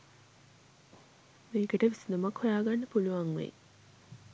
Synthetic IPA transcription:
meːkəʈəʋisinumakhojaːɡanːəpuluʋaŋʋḛ

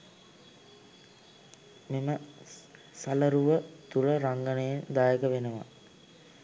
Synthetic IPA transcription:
memə | saləɾuʋət̪uləɾaŋɡənəjend̪aːjəkəʋenəʋa̰

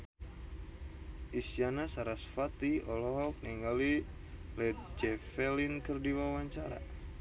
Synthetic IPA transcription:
ʔisianasaɾasfat̪iɔlɔɦɔk̚niŋɡali | lɛd͡ʒɛfɛlinkərdiwawaɲt͡ʃaɾa̰

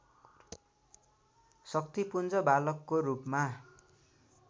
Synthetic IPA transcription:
sʌk̚t̪ipund͡zʌbalʌkːoɾupma

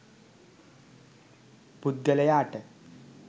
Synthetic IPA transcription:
pud̪̚ɡɐlɐjaːʈːɨ

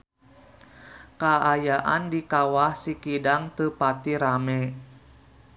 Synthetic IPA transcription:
kaːjaʔa̰ndikawahsikidaŋt̪əpat̪iɾamɛ

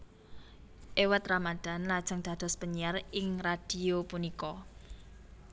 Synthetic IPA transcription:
ʔewət̪ramad̪̥a̤nlad̥ʒ̥ə̤ŋd̪̥ä̤d̪̥ɔ̤spəɲijarɪŋrad̪̥i̤opunikɔ

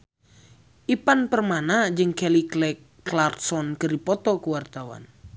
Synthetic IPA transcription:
ʔipanpərmanad͡ʒɨŋkɛliklɛkː | lart̪sɔnkɨripɔt̪ɔkuwart̪awa̰n

